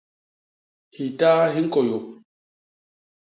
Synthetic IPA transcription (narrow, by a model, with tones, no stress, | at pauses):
hi˨taː˦ɦi˦ŋ˦kɔ˨jo˨k̚